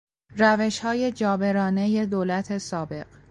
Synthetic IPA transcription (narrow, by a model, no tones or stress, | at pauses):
ræve̞ʃhɒːje̞d͡ʒɒːbe̞ɾɒːne̞je̞d̪oːlæt̪ʰe̞sɒːbe̞ɢ̥